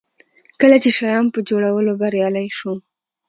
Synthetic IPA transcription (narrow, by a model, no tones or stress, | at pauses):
kəlat͡ʃeʃajɑnpəd͡ʒoɽawəlobaɾjɑlajʃu